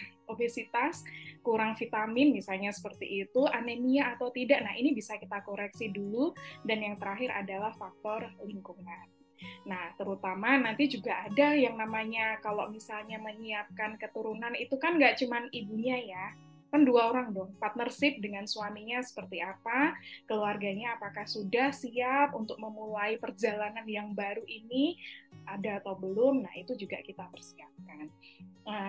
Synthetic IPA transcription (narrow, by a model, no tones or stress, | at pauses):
obesit̪askuɾaŋfit̪amɪnmisalɲasə̥pərt̪ḭʔːt̪uʔanemiaːt̪awt̪idaʔnahinibisakit̪akoɾɛksiduludanjaŋt̪əɾaɦɪɾʔa̰dalahfak̚t̪ɔrliŋkuŋan | naht̪əɾut̪amanant̪id͡ʒuɡaʔːdajaŋnamaɲakalomisalɲaməɲiap̚kankət̪uɾunanit̪ukanɡaʔt͡ʃumanibuɲaja | kanduaoɾaŋdɔŋpat̪̚nərsɪp̚dəŋansuamiɲasə̥pərt̪iapakəluarɡaɲaːpakahsudahsiap̚unt̪ʊk̚məmulaipərd͡ʒalananjaŋbaɾuʔiniadaːt̪aubəlʊmnahit̪ud͡ʒuɡakit̪apərsiap̚kanə